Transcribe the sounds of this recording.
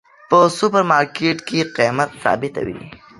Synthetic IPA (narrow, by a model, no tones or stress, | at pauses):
pəsʊpaɾmɑɾkeʈkeqijmat̪sɑ̰ːbɪt̪a̰wḭ